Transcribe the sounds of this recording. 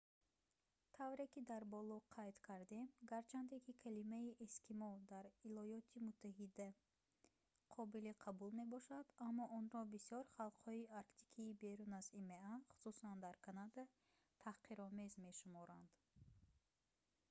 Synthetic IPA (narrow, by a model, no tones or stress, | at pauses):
t̪ʰavɾe̞kid̪aɾbɔlɔqʰajt̪kʰaɾd̪e̞mɡaɾt͡ʃʰand̪e̞kʰikʰalimaiʔeskʰimɔld̪aɾilɔjɔt̪ʰimut̪ʰːaɦid̪a | qʰɔbiliqʰabulme̞bɔʃad̪amːɔʔɔnɾɔbisiɔɾχalˠqhɔiaɾkt̪ʰi̥kʰiːbe̞ɾunazimeaχu̥susand̪aɾkʰanad̪a | t̪ʰaqiɾɔmezme̞ʃumɔɾand̪̥